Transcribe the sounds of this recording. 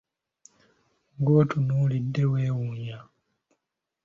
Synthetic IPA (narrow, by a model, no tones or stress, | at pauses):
ŋɡo̞ːtʰunuːlidːe̞weːwuːɲa